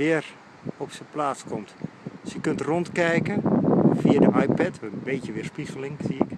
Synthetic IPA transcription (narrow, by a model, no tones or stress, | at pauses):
ʋɪər | ɔpsəplaːskʰomtsəkøntrontkɛjkənfiədəʔajpɛtʋɛbeːtjəʋɪrspiɣəlɪŋsiɪk